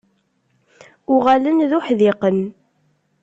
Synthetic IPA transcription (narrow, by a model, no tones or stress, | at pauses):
ʊʁalənðuħðɪqən